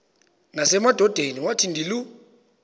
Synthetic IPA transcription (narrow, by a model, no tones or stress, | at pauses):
nasɛmad̥ʱɔd̥ʱeniwatʰin̩dilu